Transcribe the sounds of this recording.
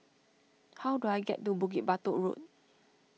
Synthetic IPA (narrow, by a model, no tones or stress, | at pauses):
hawduajɡɛ̰t̚dubuɡit̚bat̪oɹṵt̚